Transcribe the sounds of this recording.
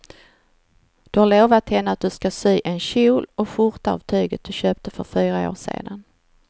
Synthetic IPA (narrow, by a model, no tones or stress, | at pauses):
d̪̥ɵhaɾɭoːvat̪hɛnːəat̪̚d̪ɵskasyːʔɛnɕuːlɔɧʊɾt̪aɑ̰vt̪ʰyːɡət̪̚d̪ɵɕøːp̚t̪əfœɾfyːɾao̰ːʂḛːd̪an